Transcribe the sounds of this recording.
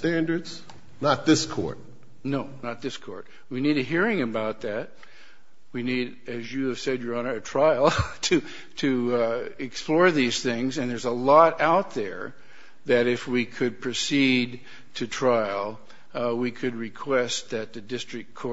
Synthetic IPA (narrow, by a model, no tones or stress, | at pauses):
tæ̃ndə˞dz̥ | nət̪̚ðɪskʰɔ̰ɹt̚ | noʊnət̪̚ðɪskʰɔ̰ɹt̚ | winiɾɨɦiɹɪ̃ŋɨbaʊt̪̚ðɨt̚ | winiɾ | ɨzjɨːv̥sɛdjə˞ɑ̃nə˞ɨtʰɹ̥aɪl̩ˠtʰɨ | tʰɨɨksplɔɹðiz̥θɪ̃ŋzɨ̃nðə˞zəlɔɾaʊt̪̚ðə̰˞ | ðɨɾɪfwikʰɨd̚pʰɹ̥ɨsid | tʰɨtʰɹ̥aɪlˠ | wikʰɨd̚ɹɨkʰw̥ɛst̪̚ðɨt̪̚ðɨdɪstɹ̥ɨk̚kʰɔ